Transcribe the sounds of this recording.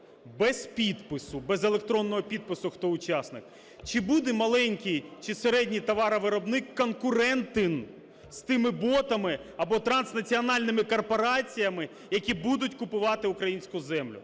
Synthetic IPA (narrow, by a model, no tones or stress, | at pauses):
bɛzpʲid̪pɪsʊbɛzelˠek̚t̪ɾɔnːɔɦɔpʲid̪̚pɪsʊxt̪ɔʊt͡ʃɑsnɪk | t͡ʃɪbud̪ɛmɐlˠɛnʲkʲijt͡ʃɪseɾɛdʲnʲit̪ɐʋɑɾɐʋɪɾɔbnɪkːɔnkʊɾɛnt̪ɪn | st̪ɪmɪbɔt̪ɐmɪɐbɔt̪ɾɐnsnɐt͡sʲiɔnɑlʲnɪmɪkɔrpɔɾɑt͡sʲijɐmɪ | jɐkʲibud̪ʊtʲkʊpʊʋɑt̪ɪʊkɾɐjinʲsʲkʊzɛmlʲʊ̰